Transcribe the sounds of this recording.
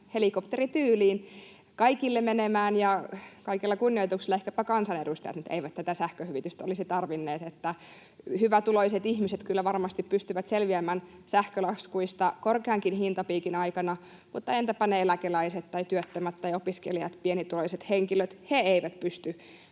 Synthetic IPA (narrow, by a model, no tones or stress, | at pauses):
helikopt̪erit̪yːliːn | kɑikilːemmenemæːnjɑkɑikilːɑkunːioit̪uksilːɑehkæpækɑnsɑnedust̪ɑjɑ̰t̪mut̪ḛiʋæt̪t̪æt̪æsæhkøhyʋit̪yst̪æolisit̪ɑrʋinːeːt̪et̪ːæ | hyʋæt̪uloiset̪ihmiset̪kylːæʋɑrmɑst̪ippyst̪yʋæt̪selʋiæmæːnsæhkølɑskuist̪ɑkorkeɑŋkinhint̪ɑpiːkinɑikɑnɑ | mut̪ːɑent̪æpæneelækelæiset̪ːtɑit̪yøt̪ːømæt̪t̪ːɑjopiskḛlijɑ̰t̪pienit̪uloiset̪heŋkiløt̪heeiʋæt̪pyst̪y